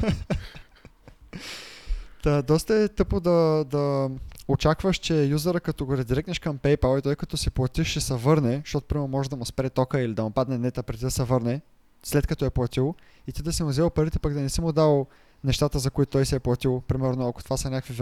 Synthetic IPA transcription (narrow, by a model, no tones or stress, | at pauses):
t̪ad̪ɔst̪əɛt̪ɤpkod̪ɐd̪ɐot͡ʃakvəʃt͡ʃɛjuzəɾəkɐt̪ɔɡoɾɛd̪iɾɛknɛʃkɐmpɛjpalˠit̪ɔjkɐt̪ɔsɛplˠɐt̪iʃɛsɐvɤɾnɛʃt̪ɔt̪ʊ̥pɾimɛɾnʊmɔʒɛd̪ɐmʊspɛɾɛt̪ɔkəilid̪ɐmopad̪nɛnɛt̪əpɾɛd̪id̪ɐsɛvɤɾnɛ | slɛt̪kɐt̪ɔɛplˠɐt̪ilˠ | it̪id̪ɐsɛmʊzɛlˠpɐɾit̪ɛ̥paɡd̪ɐnɛsimʊd̪alˠ | nɛʃt̪at̪əzɐkoʊit̪ʊt̪ɔjsɛːplˠɐt̪ilˠpɾimɛɾnoɐkot̪ovasɐnʲakviv